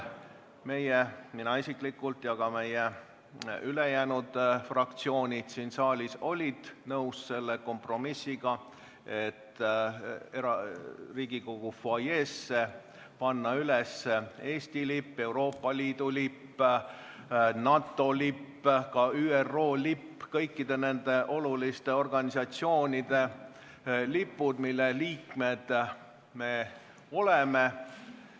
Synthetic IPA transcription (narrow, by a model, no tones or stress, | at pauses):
me̞jeminɑisiklikːult̪jɑɡ̥ɑme̞je | ylejæːnud̪̥frɑk̚t̪sio̞ːnʲid̪̥sinsɑːlʲiso̞lʲid̪̥nɤwsse̞lːeko̞mpro̞misːiɡ̥ɑ | e̞t̪ː | eɾɑriːɡ̥iko̞ɡ̥ufɑjeːsːe̞ | pɑnːɑylesːee̞ːsʲt̪ilipːe̞wɾo̞ːpːˑɑliːd̪̥ulipː | nɑt̪ːˑo̞lipːkɑyːerːo̞ːlipːkɤjkːid̪̥e̞ne̞nd̪̥e̞ʔo̞lulist̪e̞o̞rɡ̥ɑnʲisɑt̪sio̞ːnʲid̪̥e̞ | lipːud̪̥milːeliːkme̞d̪̥ | me̞ | o̞leme̞